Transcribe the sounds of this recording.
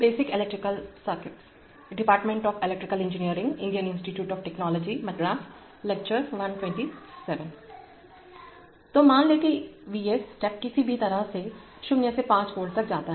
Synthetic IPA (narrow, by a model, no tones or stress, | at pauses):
beːsɪkɪlɛkʈɾɪkəlsəɾkɪʈs | ɖɪpaːɾʈmẽɳʈɔːfɪlɛk̚ʈɾɪkəlɪ̃nd͡ʒɪnijəɾɪ̃ŋɡɪ̃ɳɖijənɪ̃nsʈiʈjuːʈɔːfʈɛknɔːlɔːd͡ʒimɐt̪ɾaːs | lɛk̚t͡ʃəɾʋɐ̃nʈwɛ̃ːɳʈisɛʋə̃n | t̪omaːnleːkeʋiːesʈɛːp̚kɪsibʱit̪ɐɾase | ʃʊnjəsepãːt͡ʃkoːɽt̪ɐk̚d͡ʒaːt̪aɦɛ